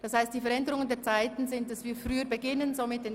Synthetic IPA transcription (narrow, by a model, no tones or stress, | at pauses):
d̥ashaɪst̚d̥iːfɛɐɾɛndəʁʊŋəndeːɐt͡saɪtn̩zɪntd̥asv̥iːfʁyːəɾbəɡɪnənzomɪt̚d̥eːn